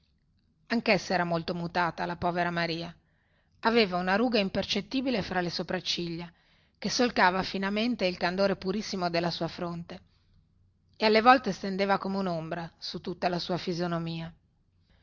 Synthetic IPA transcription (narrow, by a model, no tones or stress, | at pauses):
aŋkesːɛːɾamolt̪omut̪aːt̪alapɔːveɾamaɾiːa | aveːvaunaɾuːɡaimpert͡ʃet̪ːiːbilefɾalesopɾat͡ʃːiʎːa | kesːolkaːvafinament̪eilkand̪oːɾepuɾisːimod̪elːasuːafɾont̪e | ealːevɔlt̪est̪end̪eːvakomeunombɾasut̪ːut̪ːalasuːafizjonomiːa